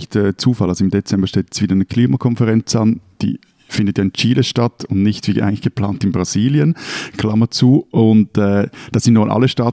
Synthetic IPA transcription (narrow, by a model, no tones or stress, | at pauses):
çtɛːt͡suːfalʔalzsoɪmdet͡sɛmbəʃteːtɛ̥sv̥iːdɐanəkʰliːmakʰɔnfəʁɛnt͡sand̥ḭː | fɪndətjaːɪnt͡ʃiːləʃtatʊndnɪçtviʔa̰ɪɡŋnlɪ̥çɡ̥əpl̥aːntɪnbʁaz̥iːljənkʰlamət͡suːʔʊntɛːd̥ɑsɪntnonʔa̰lːəʃtaːt